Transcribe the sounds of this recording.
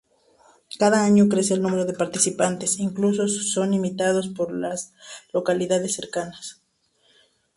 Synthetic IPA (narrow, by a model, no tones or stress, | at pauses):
kaðaaɲo̞kɾe̞se̞ːlnũme̞ɾo̞ðepaɾt̪isipant̪e̞siŋklus̬o̞so̞nimit̪að̞o̞spo̞ɾlaslo̞kaliðaðe̞sːe̞ɾkanas